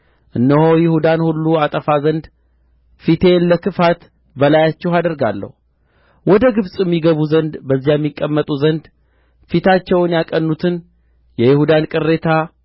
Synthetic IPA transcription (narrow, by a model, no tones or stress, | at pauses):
ʔɨnːəhojɪhud̪anhulːuat̪ʼəfazənd̪ | fit̪ʰe̞nləkʰɨfat̪ | bəlajat͡ʃːɛhad̪əɾɡa̰lːə̰hu | wɔd̪əɡɨβsʼjɛmːiɡəβuzənd̪bəzːijajɛmːikʼːəmːət̪ʼuzənd̪ | fit̪ʰat͡ʃːɛwnjakʼənːut̪ʰɨn | jɛjɪhud̪ankʼɨrːe̞t̪ʰa